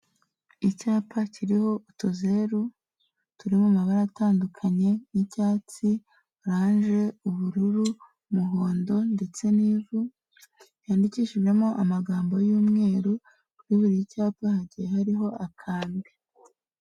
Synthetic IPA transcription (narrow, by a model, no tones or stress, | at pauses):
icaːpacʰiɾiho̞utuzeːɾu | tuɾimumaβaɾataːndukʰaɲe̞nicaːt͡si | uɾaːnʒe̞uβuɾuɾu | muɦoːndo̞nde̞t͡se̞niːvu | jaːndiciːʃiʒe̞mo̞ʔamaɡaːmbo̞juːmŋe̞ːɾu | kuɾiβuɾijicaːpahaɟijehaɾiɦo̞ʔakʰaːndi